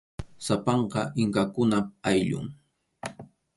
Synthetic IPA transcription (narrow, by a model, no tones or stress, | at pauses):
sapɑɴqɑʔɪŋkakʊnaajʎʊ̰ŋ